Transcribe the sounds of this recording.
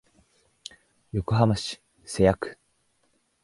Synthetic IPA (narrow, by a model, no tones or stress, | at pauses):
jo̞koɦamaɕi̥ | se̞jakɯ̟̥